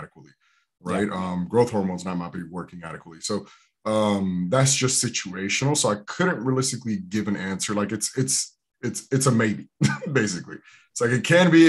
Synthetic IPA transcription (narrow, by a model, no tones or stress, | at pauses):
ɾɨkʰwl̩ˠi | ɹaɪt̚ʌ̃mɡɹoʊθhɔɹmõnz̃naɪmaɪt̚b̥iwɜ˞kɪ̃ŋæɾɨkwl̩ˠisoʊ | ʌ̃mðætsd̥ʒ̥ʌstsɪt͡ʃʉeɪʃɨn̩l̩ˠsoʊaɪkʰʊdⁿn̩ʔ̚ɹiəlɪstɨkliɡɪvɨ̃næ̃nsə˞laɪkɨtsɪts | ɨtsɨtsəmeɪbibeɪs̬ɨklḭ | ɪtslaɪkɨt̚kʰɨ̃nbi